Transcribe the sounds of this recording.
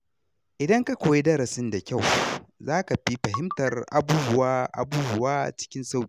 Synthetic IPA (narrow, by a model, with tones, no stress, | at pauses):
ʔɪ˨dɐ˦ŋka˦kʷoː˨je˦dɐ˦ɾɐ˨sɪ˦nda˨kʲa˦˨wzaː˦ka˨ɸi˦ɸɐ˨ɦɪ˦mtɐ˨rʔa̰˨buː˦bʊ˦waː˦ʔa̰˨buː˦bʊ˦waː˦˨t͡ʃɪ̥˦kʲɪ˦nsa˦wkʲːi˦